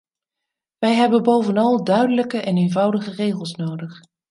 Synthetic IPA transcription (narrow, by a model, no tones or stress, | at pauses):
ʋɛjɦɛbənbowvənɑlˠdœɥdələkəʔɛnejnvɑwdəχərejχəlˠsnowdəχ